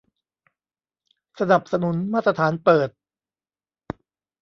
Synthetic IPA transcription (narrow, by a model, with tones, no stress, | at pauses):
sa˧na˨˩p̚sa˧nu˩˦nmaː˥˩t̪ːɾa˧t̪ʰaː˩˦npɤː˨˩t̪̚